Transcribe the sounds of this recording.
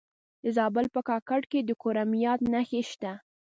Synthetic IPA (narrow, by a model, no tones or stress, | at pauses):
d̪əzɑbəlpəkɑkaɽked̪əkoɾamijɑt̪naxeʃt̪a